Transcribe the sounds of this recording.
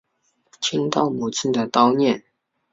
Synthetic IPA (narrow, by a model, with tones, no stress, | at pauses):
t͡ɕʰi˥ŋt̪ɑ˥˩ʊmu˨˩t͡sʰɹ̩˥˩d̪ə˨t̪ɑ˥ʊnjɛ˥˨n